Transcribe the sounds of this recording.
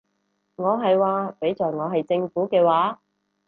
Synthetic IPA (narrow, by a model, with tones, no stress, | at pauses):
ŋɔː˨˧ɦɐ˨jwaː˨˧pe˨˥jt͡sɔː˨jŋɔː˨˧ɦɐ˨jt͡sɪ˧ŋfuː˨˥kɛː˧waː˨˥